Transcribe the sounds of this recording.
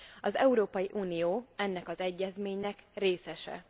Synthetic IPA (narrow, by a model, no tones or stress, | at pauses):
ɒzɛ̰uɾoːpɒjiʔuːnijoːɛnːɛkɒzɛɟːɛzmeːɲnɛkreːsɛʃɛ̰